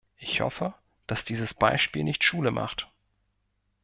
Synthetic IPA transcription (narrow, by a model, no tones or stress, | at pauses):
ʔɪçhɔ̰fə | d̥asd̥iːzəsb̥aɪʃpiːlnɪçtʃuːləmʔa̰χt